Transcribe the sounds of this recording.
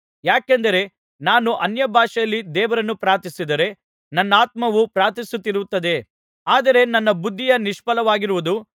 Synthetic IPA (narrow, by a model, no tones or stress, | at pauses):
jaːkend̪ɐɾe̞ | naːnuʔɐnjɐbʱaːʂɐjɐlːid̪ɛːʋɐɾɐnːupɾaːt̪isid̪ɐɾe̞ | nɐnːɐaːt̪̚mɐʋupɾaːt̪isut̪ːiɾut̪ːɐd̪e̞ | aːd̪ɐɾe̞nɐnːɐbud̪ʱːijɐniʃpɐlɐʋaːɡiɾuʋud̪u